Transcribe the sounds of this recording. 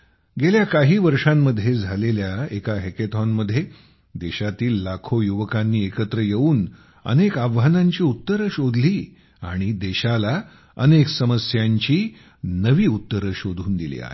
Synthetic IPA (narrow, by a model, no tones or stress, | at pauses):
ɡeljakaɦiːʋəɾʂãmːəd̪ʱːjed͡zʱaleljaekaɦeket̪ʰɔnməd̪ʱje | d̪eɕat̪iːlːakʰojuʋəkanːiːekət̪ɾəjeuːn | ə̰nekaʋanaɲt͡ɕiːut̪ːəɾəɕod̪ʱliː | a̰ɽ̃id̪eɕala | ə̰neksəməsjaɲt͡ɕiː | nəʋiːut̪ːəɾəɕod̪ʱuːnd̪ilḭːa̰ɦḛ